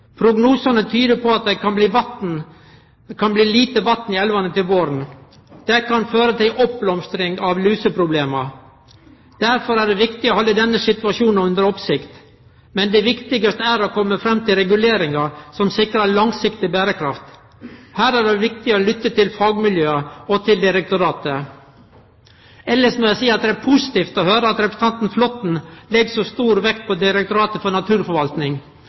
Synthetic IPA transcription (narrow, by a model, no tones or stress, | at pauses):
pʰɾʊɡnuːsɑnət̪ʰyːd̪əpʰɔɑt̪̚d̪ɛɪkɑnbliːʋɑt̪n̩ | kʰɑnbliːliːt̪əʋɑt̪nɪɛlʋɑnət̪ɪlʋoːɾn̩ | d̪̥ɛkɑnføːɾət̪ʰɪlʔɔp̚blɔmst̪ɾɪŋɑʋlyːsəpʰɾʊbleːmɑ | d̪̥æɾfɔɾæɖɛʋɪkt̪ɪɔhɑlːəd̪ɛnːəsɪt̪ʉɑʂuːn̩ʉnd̪əɾɔpsɪkt̪ | mɛnd̪ɛʋɪkt̪ɪɡəst̪əæɾɔkʰɔmːəfɾɛmːt̪ʰɪlɾɛɡʉleːɾɪŋɑɾsɔmsɪkɾəɭɑŋsɪkt̪ɪbæːɾəkʰɾɑft̪ | hæːɾæɖɛʋɪk̚t̪ɪɔlʏt̪ːət̪ɪlfɑːɡmɪljøːəɔt̪ʰɪld̪ɪɾɛk̚t̪ʊɾɑːt̪ə | ɛlːəʂmɔjæɪsiːɑt̪̚d̪ɛæɾpʰʊsɪ̥t̪iːft̪ɔhøːɾəɑt̪ɾɛpɾə̥s̩t̪ʰɑnt̪n̩flɔt̪n̩lɛɡsɔst̪uːɾʋɛkt̪̚pʰɔd̪ɪɾɛkt̪ʊɾɑːt̪əfɔɳɑt̪ʰʉːɾfɔɾʋɑlt̪nɪŋ